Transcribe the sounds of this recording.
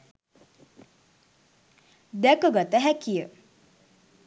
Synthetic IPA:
d̪ɛkəɡat̪əɦækijə

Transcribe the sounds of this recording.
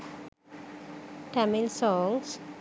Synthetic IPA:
ʈʰæmɪlsɔŋs

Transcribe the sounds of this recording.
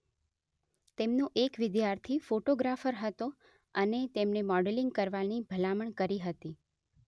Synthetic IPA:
t̪emnoʔekʋɪd̪jaɾt̪ʰifoʈoɡɾafəɾɦət̪o | ənet̪emnemɔɖeliŋɡ̚kəɾʋanibʱəlaməɳkəɾiɦət̪i

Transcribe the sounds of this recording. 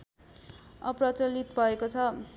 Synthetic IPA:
ʌprʌt͡sʌlit̪bʱʌekot͡sʰʌ

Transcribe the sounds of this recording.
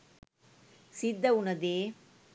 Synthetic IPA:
sɪd̪ːɐʊnɐd̪eː

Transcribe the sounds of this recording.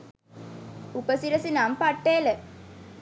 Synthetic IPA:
upəsiɾəsinampaʈːeːlə

